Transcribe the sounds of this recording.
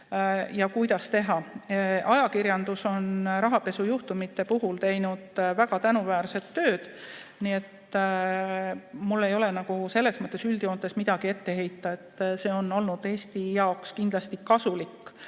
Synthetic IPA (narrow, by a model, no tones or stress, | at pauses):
jɑkujd̪̥ɑst̪e̞ɦɑʔɑjɑkiɾjɑnd̪̥uso̞nɾɑɦɑpe̞sujuht̪umit̪ːˑe̞puɦult̪e̞jnud̪̥væɡ̥ɑt̪ænuvæːrse̞t̪ːø̞ːd̪̥niːe̞t̪ | mulːe̞jo̞le̞nɑɡ̥use̞lːe̞smɤt̪ːˑe̞syld̪̥io̞ːnt̪ːe̞smid̪̥ɑɡ̥ie̞t̪ːe̞ɦe̞jt̪ˑːɑe̞t̪ːse̞ːo̞no̞lnud̪̥e̞ːst̪ijɑokskind̪̥lɑst̪ikɑsulikːˑ